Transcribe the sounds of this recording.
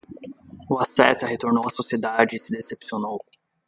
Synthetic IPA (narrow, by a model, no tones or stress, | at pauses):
uasɛt̪ɐɦet̪oɾnowɐsosied̪ad͡ʒɪːsɪd̪esepsionow